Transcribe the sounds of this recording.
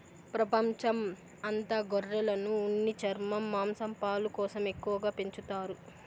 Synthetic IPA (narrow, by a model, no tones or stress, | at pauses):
pɾɐpɐɲt͡ʃɐm | ɐnt̪ɐɡɔrːɛlɐnuonːit͡ʃɐɾmɐmːaːmsɐmpaːlukɔːsɐme̞kːuʋɐɡaːpeɲt͡ʃut̪aːɾu